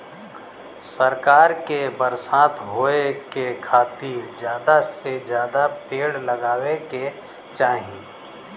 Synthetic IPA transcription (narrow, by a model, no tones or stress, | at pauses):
səɾkaːɾkebəɾsaːt̪ɦoːekekʰaːt̪iɾd͡ʒjaːd̪ased͡ʒjaːd̪apeːɽləɡaːweke | t͡ʃaːɦie